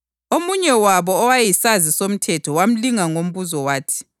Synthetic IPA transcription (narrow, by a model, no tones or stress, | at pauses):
omuɲɛwaβɔːwajisazisom̩tʰɛtʰɔwam̩liŋaŋom̩βuzɔwaːtʰi̥